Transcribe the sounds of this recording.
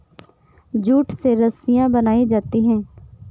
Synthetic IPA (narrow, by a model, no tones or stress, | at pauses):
d͡ʒuːʈseɾəsɪjãːbənaːid͡ʒaːt̪iɦɛ̃ː